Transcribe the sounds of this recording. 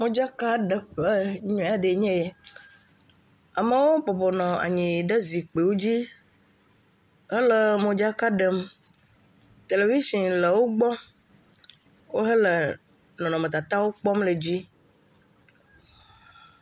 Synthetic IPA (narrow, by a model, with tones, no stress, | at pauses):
mõ˨d͡ʒa˦ka˦ɖə˨ɸe˦ɲɔ̃˨a˨ɖe˨ɲɛ̃˦je˨ | a˨me˦wo˦bɔ˨bɔ˨nɔ̃˨a̰˨ɲĩ˨ɖe˦zi˨k͡pe˨wo˦d͡ʑi˦ | ɦə˦lə˦˨mõ˨d͡ʒa˦ka˦ɖə˨m | t̪e˨le˨vi˦sĩ˨le˨wo˦ɡ͡bɔ˦ | wʔo˦ɦə˦lə˨ | nɔ̃˨nɔ̃˨mẽ˨t̪a˨t̪a˦wo˦k͡pɔ˦mle˨d͡ʑi˦